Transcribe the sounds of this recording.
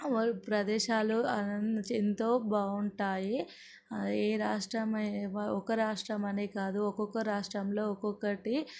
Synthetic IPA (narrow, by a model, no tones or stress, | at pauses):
ʋɐpɾɐd̪ɛːʃaːluɐnt͡ʃint̪o̞ːbaːuɳʈaːji | eːɾaːʂʈɾɐmɔkɐɾaːʂʈɾɐmɐneːkaːd̪uɔkɔkɐɾaːʂʈɾɐmlo̞ːɔkɔkɐʈi